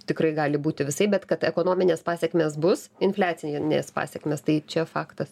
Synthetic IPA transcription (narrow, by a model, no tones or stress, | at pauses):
t̪ʲɪkrɐɪɡɑːlʲɪbuːt̪ʲɪʋʲɪsɐɪbʲɛt̪kɐt̪ɛkoːnoːmʲɪnʲeːspɑːsʲɛkmʲeːsbʊsɪnfʲlʲæːt̪t͡ssʲɪnnʲḛːspɑ̰ːsʲɛkmʲeːst̪ɐɪt͡ʃʲɛfɑːkt̪ɐs